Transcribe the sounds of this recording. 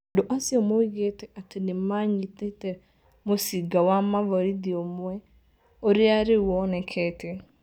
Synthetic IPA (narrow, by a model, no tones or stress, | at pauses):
doʔasɪomoiɣetɛʔatenɪmaɲitetɛ | mosiɡawamavɔɾidiomʊɛ | oɾɪaɾɪwɔnɛkʰɛtʰɛ